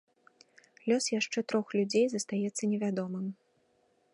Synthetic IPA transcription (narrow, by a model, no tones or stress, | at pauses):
lʲɔsjaʂt͡ʂɛt̪ɾɔxlʲud͡zʲejzɐst̪ajɛt̪sːɐnʲɛvʲad̪ɔmɨm